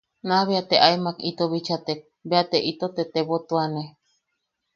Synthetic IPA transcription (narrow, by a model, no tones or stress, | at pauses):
naβiat̪eʔaemakit̪oβit͡ʃat̪ek̚ | beat̪eʔit̪ot̪et̪eβot̪uane